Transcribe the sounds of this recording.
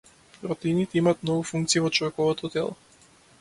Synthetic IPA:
pɾɔt̪ɛinit̪ɛimaːt̪̚mnɔɡufuŋkt̪siivɔt͡ʃɔvɛkɔvɔt̪ɔt̪ɛ̰lˠɔ

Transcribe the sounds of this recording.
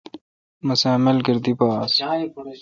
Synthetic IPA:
mɐseːmɐlɡɐɾd̪ipaːs

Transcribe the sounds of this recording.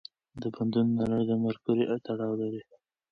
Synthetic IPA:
d̪əband̪unːalaɾd̪əmaɾpuɾiʔt̪aɽɑwlaɾi

